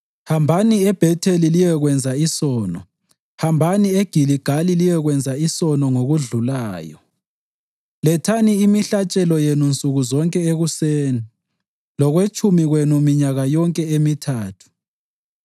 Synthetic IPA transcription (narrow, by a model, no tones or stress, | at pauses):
hambʱaniɛb̥ʱɛtʰelilijɛɣwɛnd͡zʱaisɔːnɔ | hambʱanieɡ̥ʱiliɡ̥ʱalilijɛɣwɛnd͡zʱaisɔnɔŋoɣuɮulaːjɔ̰ | lɛtʰaniːmiɬat͡ʃʼɛlɔjenunt͡sʼuɣuzɔŋkʼɛeɣuseːni | lɔɣwet͡ʃʼumiɣwenumiɲaɣajɔŋkʼɛemitʰaːtʰu̥